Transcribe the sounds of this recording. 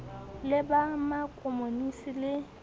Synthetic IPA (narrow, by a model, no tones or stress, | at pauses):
lɪbamakʼomonisilɪ